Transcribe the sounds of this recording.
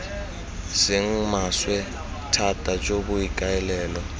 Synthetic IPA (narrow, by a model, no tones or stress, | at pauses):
sɪŋ̩maswɛ | tʰatʼat͡ʃʼobʊikʼaɛlɛːlɔ